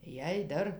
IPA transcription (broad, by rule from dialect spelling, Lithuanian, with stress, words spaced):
jɛɪ ˈdɐr